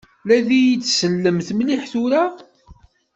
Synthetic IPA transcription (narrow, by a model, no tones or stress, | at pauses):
læðijit͡sːsəlːəmθmliħθʊɾa